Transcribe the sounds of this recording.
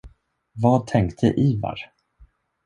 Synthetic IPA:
vɑːd̪̚t̪ʰɛŋkt̪ʰə̰ʔiːva̰ɾ

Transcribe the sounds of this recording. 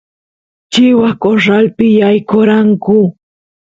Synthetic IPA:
t͡ʃɪwakoɾalpɪjajkoɾaŋkʊ

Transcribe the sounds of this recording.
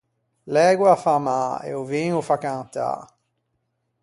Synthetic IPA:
lɛːɡwafamaeɛ̰uviŋufakant̪a̰

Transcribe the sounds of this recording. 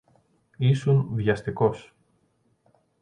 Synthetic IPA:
isunvʝɐst̪iko̞s

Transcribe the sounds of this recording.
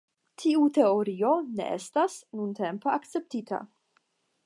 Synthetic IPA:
tʰiut̪e̞oɾio̞nḛʔḛstasnunt̪empeakt͡se̞p̚tit̪ʰa̰

